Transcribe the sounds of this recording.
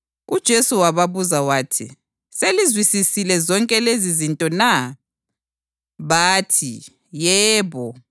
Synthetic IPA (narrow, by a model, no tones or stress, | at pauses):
ud̥ʒ̥ʱesuwaβaβuzawaːtʰḭ | selizwisisilɛzɔŋkʼɛlezizintʼɔna | βaːtʰḭ | jɛːβɔ